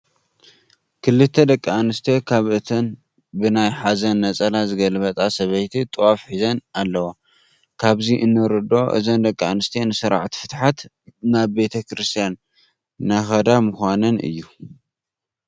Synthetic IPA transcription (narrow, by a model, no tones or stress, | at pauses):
kʰɨlːɨt̪ʰːɐd̪ɐkʼːanɨst̪ʰekʰaβʔɨt̪ʰɐn | bɨnajħazɐnːɐt͡sʼɐlazɨɡɐlɨβɐt̪ʼasɐβɐjt̪ʰit̪ʼɨwafħizɐnalːɐwo | kʰaβziʔɨnːɨɾɨd̪o̞ʔɨ̰zɐnd̪ɐkʼːaanɨst̪ʰenɨsɨɾa̰ʕt̪ʰi̥fɨt̪ħat̪ | naβbe̞t̪ʰɐkɾɨst̪ʰijanː | axɐd̪amɨxʷanɐnɨ̰jːu